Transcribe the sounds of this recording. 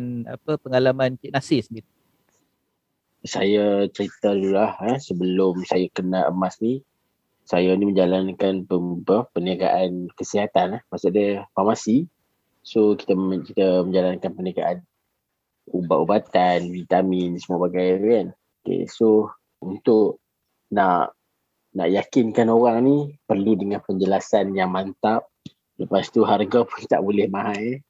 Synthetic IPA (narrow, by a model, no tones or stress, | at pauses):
na̰pəpəŋalamankiʔ̚nasɪsnit̪u | sajat͡ʃəɾit̪adulahəsəbəlʊmsajakənaə̰masni | sajaniməɲd͡ʒalankanpəpəpərnaɡa̰ʔankəsiɦat̪anahmasʊʔdəfamasi | soki̥t̪akit̪aməɲd͡ʒalankanpərnaɡa̰ʔan | ubaʔubat̪anvit̪amɪnsəmuabaɡajan | okḛso | unt̪ʊʔ | naʔ | na̰ʔjakɪnkanoɣaŋnipərludəŋanpəɲd͡ʒəlasanjaŋmant̪aʔ̚ | ləpast̪uɦarɡapʊnt̪a̰ʔbulɛhmaɦaj